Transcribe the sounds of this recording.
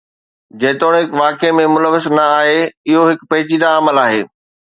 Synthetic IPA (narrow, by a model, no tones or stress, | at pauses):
d͡ʑeːt̪oːɽ̃ɦɪkʋaːkemẽmʊləʋɪsnɐaːɦeɪɦoɦɪkpɐɦɪt͡ɕiːd̪aɐməlaːɦeː